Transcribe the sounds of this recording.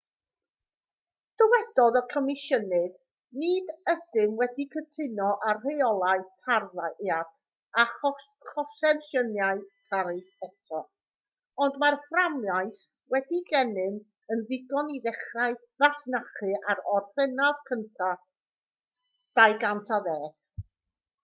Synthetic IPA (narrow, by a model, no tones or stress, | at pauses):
d̥ɔwɛd̥ɔðɔkʰɔmɪʃənɨð | nɨːdəd̥ɨmwɛdikʰətʰɪnɔʔarrejɔlˠaɨtʰarðajʔea | a | χɔʃɛnʃənjaɨtʰaɾɨθɛtʰɔ | ɔndmarhramjajθ | wɛdiɡɛnɨn | ənðɪɡɔniðɛχraɨ | vaɬnaχɨʔaɾɔrfɛnavkʰəntʰa | d̥ajɡantʰaðɛːɡ̥